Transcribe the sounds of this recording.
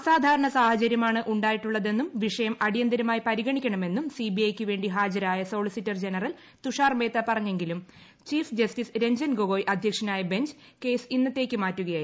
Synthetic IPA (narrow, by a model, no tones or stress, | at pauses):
ɐsaːd̪ʱaːɾɐɳɐsaːhɐt͡ɕɐɾjɐmaːɳɨʔuɳɖaːjiʈːuɭːɐðe̞nːumʋiʂɐjɐmɐɽijɐnd̪ɐɾumaːjipɐɾiɣɐɳikʲːɐɳɐme̞nːumsiːbiɐjkʲːɨʋe̞ːɳɖiɦaːd͡ʑɐɾaːjɐso̞ːɭisitːɐrd͡ʑe̞nɐrɐl | t̪uʂaːrme̞ːt̪ːɐpɐrɐɲːe̞ŋɡilum | t͡ɕiːfd͡ʑɐstisɾe̞ɲd͡ʑɐnɡoɣoːjʔɐd̪ʱjɐkʂɐnaːjɐbe̞ɲd͡ʑɨke̞ːsinːɐt̪ːe̞ːkʲːɨmaːtːuɣɐjaːi